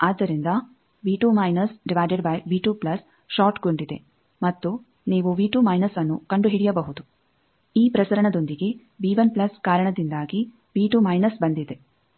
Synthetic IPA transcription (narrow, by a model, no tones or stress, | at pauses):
aːd̪ːɐɾind̪ɐ | ʋiːʈuːmɐjnɐsɖiʋaːjd͡ʒeɖbɐjʋiːʈuːplɐs | ʃaːʈɡoɳɖid̪e̞̰ | mɐt̪ːu | niːʋuʋiːʈuːmɐjnɐsɐnːukɐɳɖuɦiɽijɐbɐɦud̪u | iːpɾɐsɐɾɐɳɐd̪o̞nd̪iɡe̞ | biːʋɐnplɐskaːɾɐɳɐd̪ind̪aːɡi | ʋiːʈumɐjnɐsbɐnd̪id̪e̞